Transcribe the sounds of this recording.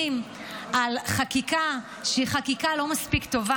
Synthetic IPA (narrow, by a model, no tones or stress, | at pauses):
im | ʔalχakika | ʃeiχakikalo̞maspikt̪o̞va